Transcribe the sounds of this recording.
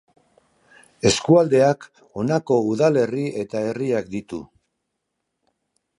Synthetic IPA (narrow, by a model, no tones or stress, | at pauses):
e̞skuald̪e̞ak | o̞nako̞uðale̞rie̞t̪ae̞riakd̪it̪ṵ